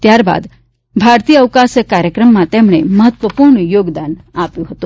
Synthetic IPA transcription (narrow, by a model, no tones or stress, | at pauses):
t̪jaɾba̰d̪ | bʱaɾt̪ijəəʋkasjəkaɾjəkɾəmːãt̪emɳ̃eməɦət̪ʋəpuɾɳjoɡd̪anapjũɦət̪ũ